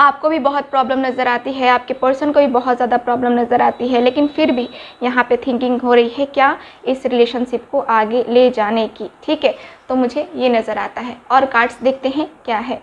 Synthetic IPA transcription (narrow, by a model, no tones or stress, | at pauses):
aːp̚kobʱibɐɦʊt̪̚pɾɔːbləmnɐzəɾaːt̪iɦɛaːp̚kepəɾsənkobʱibɐɦʊt̪zjaːd̪apɾɔːbləmnɐzəɾaːt̪iɦɛleːkɪnfɪɾbʱijɐɦãpet̪ʰɪ̃ŋkɪ̃ŋɡɦoɾɐɦiɦɛkjaːɪsɾɪleːʃənʃɪp̚koʔaːɡeled͡ʒaːnekiʈʰiːkɦɛːt̪omʊd͡ʒʱejenɐzəɾaːt̪aɦɛːɔːɾkaːɾʈsd̪eːk̚ʰt̪eɦɛ̃kjaːɦɛː